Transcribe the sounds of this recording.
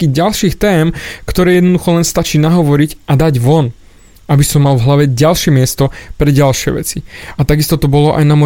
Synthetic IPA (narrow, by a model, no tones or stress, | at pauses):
kiːɟalʃiːxt̪ɛːmkt̪ɔɾɛːjɛd̪nɔd̪uxɔlɛnst̪at͡ʃiːnaɦɔʋɔɾicʔad̪aɟʋɔn | ʔabisɔmːalvɦlaʋɛɟalʃɪɛmɪɛst̪ɔpɾɛɟalʃɪɛ̰ʋɛ̰t͡siat̪aɡist̪ɔt̪ɔbɔlɔʔa̰jnamɔ